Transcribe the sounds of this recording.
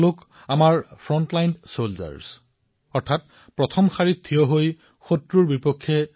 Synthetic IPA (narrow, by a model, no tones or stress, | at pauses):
lʊk | amaɹpʰɹɔntlajnsolza̰ɹs | ɔɹtʰat̚ | pɹɔtʰɔmxaɹittʰːijɔɦoj | xotɹuɹbipɔkʰːɛ